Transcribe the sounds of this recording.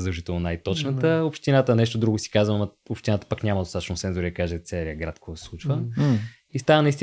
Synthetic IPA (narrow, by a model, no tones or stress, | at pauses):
zd̪əlˠʒit̪ɛlˠnonajt̪ɔt͡ʃnət̪əopʃt̪inat̪ənɛʃt̪od̪ɾuɡʊsi̥kazvəmɐ | opʃt̪inat̪ə̥pakɲʲamɐd̪ost̪at̪ət͡ʃʃnosɛnzoɾiəkaʒɛt̪sɛɛɾiəɡɾat̪̚koɔɔsɛslˠut͡ʃvə | ist̪avənɐist̪i